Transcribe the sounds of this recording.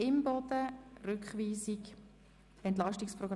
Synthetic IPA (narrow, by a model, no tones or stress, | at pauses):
ɪmbɔd̪̥ərʏkχʋiːzik | ɛnt̪̬lɑʃtiksproɡr